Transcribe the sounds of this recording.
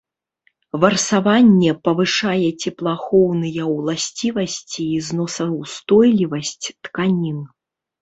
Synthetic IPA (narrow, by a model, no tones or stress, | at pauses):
vɐrsavanʲːɛpɐvɨʂajɛt͡sʲɛplˠaxɔwnɨjɐlˠasʲt͡sʲivɐsʲt͡sʲiːznɔsɐwst̪ɔjlʲivɐsʲt͡sʲt̪kanʲin